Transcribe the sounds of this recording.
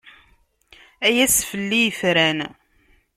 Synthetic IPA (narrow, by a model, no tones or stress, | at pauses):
æjæsfəlːijəfɾæn